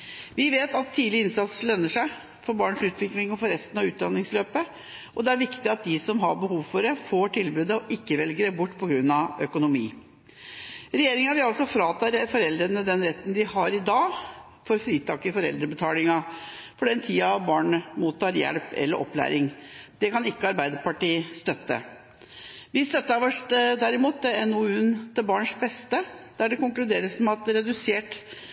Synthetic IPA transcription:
ʋɪʋeːt̪ɑt̪ʰːiːd̪lɪɪnsɑt̪slœnːəʂæɪ | fɔɾbɑːɳəsʉːt̪ʋɪklɪŋɔfɔɾɛst̪ənɑʋʉːt̪̚d̪ɑnːɪŋsløːpə | ʔɔd̪ɛæɾʋɪkt̪ɪɑt̪̚d̪ɪsɔmɦɑɾbəɦuːʋfɔɾɛfoːʈʰɪlbʉːd̪əɔʔɪkːəʋɛlɡəɾəbʊʈːpʰɔɡɾʉnːɑʋœkʊnʊmḭː | ɾɛjeːɾɪŋɑʋɪɑlsɔfɾɑːt̪ʰɑɾfɔɾɛld̪ɾənəd̪ɛnɾɛt̪ːənd̪ɪhɑɾɪd̪ɑː | fɔɾfɾiːt̪ʰɑːkɪfɔɾɛ̰ld̪ɾəbət̪ʰɑːlɪŋɑpʰɔɖɛnt̪ʰiːɑbɑːɳmuːt̪ːɑɾjɛ̰lpɛ̰lːə̰ɾʔɔ̰plæ̰ːɾɪŋd̪̥ɛkɑnɪkːəɑɾbæɪd̪əpɑʈiːst̪œt̪ːə̰ | ʋɪst̪œt̪ːəʋɔʂd̪æɾɪmuːt̪̚ɛɛnʊʉnt̪ɪbɑːɳʂbɛst̪əd̪̥æɖɛkʊŋklʉd̪eːɾəsmɛɑt̪ɾɛd̪ʉseːʈ

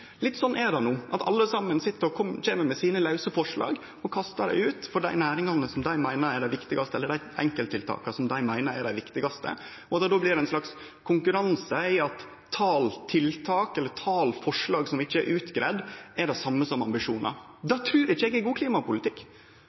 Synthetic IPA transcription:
lɪt̪ːsɔnːʔɛɖɑnuːʔɑt̪ʰɑ̰lːəsɑmːənsɪt̪ːəɾɔkʰɔmːc͡çeːməɾmɛsiːnəlɑʉsəfɔʂɭɑ̰ːɡ | ɔkʰɑst̪ɑɖæ̰ɪʉːt̪fɔɖæɪnæːɾɪŋɑnːəsɔmd̪æɪmæɪnəɾɛɖæɪʋɪkt̪ɪɡɑst̪əɛlːəɖæɪɛ̰ŋkəlt̪ʰɪlt̪ʰɑ̰ːkɑsɔmd̪æɪmæɪnəɾɛɖæɪʋɪkt̪ɪɡɑst̪ə̰ | ɔɑt̪d̪oːblɪɾɛnslɑks | kʰʊŋkʉɾɑnsəɪɑt̪ʰː | ɑːlt̪ʰɪlt̪ʰɑːkɛlːət̪ʰɑːlfɔʂɭɑːɡsɔmɪçːəɛɾʔʉːt̪ɡɾæːd̪ɛɖɛsɑmːəsɔmɑ̰mbɪʂuːnɑ̰ | d̪ɑːt̪ʰɾʉːɾɪçːəɛɡɛɡuːkʰliːmɑpʊlɪt̪ʰɪkː

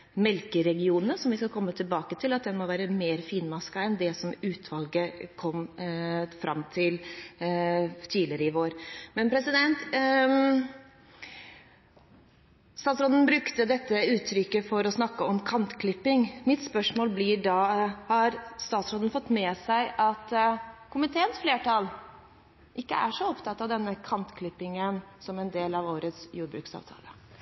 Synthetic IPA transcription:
mɛlkəɾɛɡɪuːnəsɔmʋɪskɑkʰɔmːət̪ʰɪlbɑːkət̪ʰɪlɑt̪̚d̪ɛnmɔʋæːɾəmeːɾfiːnmɑskɑɛnd̪ɛsɔmʉːt̪ʰʋɑlɡəkʰɔm | fɾʔɑmːt̪ʰɪl | t̪ʰiːlɪəɾəɪʋoːɾmɛnpʰɾɛsɪd̪ɛnt̪ | st̪ɑːt̪sɾoːd̪n̩bɾʉkt̪əd̪ɛt̪ːəʉːt̪ʰɾʏkːəfɔɾɔsnɑkːəɔmkʰɑnt̪kʰlɪpːɪŋmɪt̪spœʂmoːlblɪɖɑːhɑɾst̪ɑːt̪sɾoːd̪ənfɔt̪ːmɛːsæɪʔɑt̪kʰʊmɪt̪ʰeːənsfleːʈʰɑl | ʔɪkːəæ̰ʂɔɔpt̪ʰɑt̪ːɑʋd̪ɛnːəkʰɑnt̪kʰlɪpːɪŋənsɔmɛnd̪eːlɑʋoːɾət̪sjuːɾbɾʉ̰ːksɑ̰ʋt̪ʰɑ̰ːlə

